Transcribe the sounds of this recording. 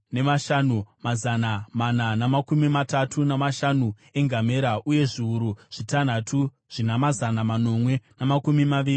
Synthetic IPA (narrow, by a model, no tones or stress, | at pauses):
ne̞maʃanumazanamananamakumimatatʰunamaʃanu | e̞ŋɡameɾaʔuje̞ʐiuɾuʐ̥itan̤atʰu | ʐ̥inamazanamano̞mwe̞namakumimaʋiːri